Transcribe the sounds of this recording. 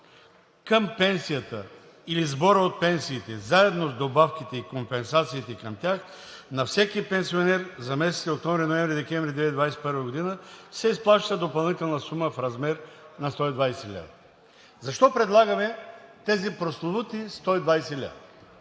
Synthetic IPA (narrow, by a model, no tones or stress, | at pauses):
kəmpɛnsijət̪ə | ilizbɔɾəot̪̚pɛnsiːt̪ɛzaɛd̪nozd̪obafkʲit̪ɛikompɛnsat̪siːt̪ɛkəmt̪ʲax | nɐfsɛkipɛnsionɛɾzɐmɛsɛsiok̚t̪omɾinoɛmvɾid̪ɛkɛmvɾid̪vɛid̪vajsɛ̥pəɾvəɡod̪inəsɛisplˠaʃt̪əd̪opɐlˠnit̪ɛlˠnəsuməfɾɐzmɛɾnɐst̪ɔid̪vajsɛlʲa̰d̪ɐ | zɐʃt̪ɔpɾɛd̪lˠaɡɐmɛt̪ɛzipɾoslˠot̪ut̪ist̪ɔid̪vajsɛlʲa̰d̪